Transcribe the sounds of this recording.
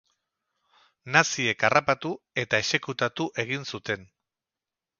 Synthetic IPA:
nasie̞karapat̪u | e̞t̪ae̞se̞kut̪at̪uʔe̞ɣ̞insut̪e̞n

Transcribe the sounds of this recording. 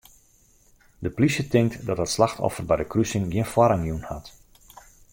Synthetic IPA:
dəplisjətɪŋk̚tdɔtətslaxtʰɔ̰fərbɛjdəkrysɪŋɡjiənfwɔɾaŋjunhat

